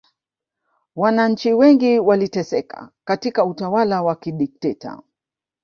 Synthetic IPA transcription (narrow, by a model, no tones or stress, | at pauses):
wanaɲ̩t͡ʃiwɛŋɡiwalitɛsɛka̰katikautawalawakiɗik̚tɛta̰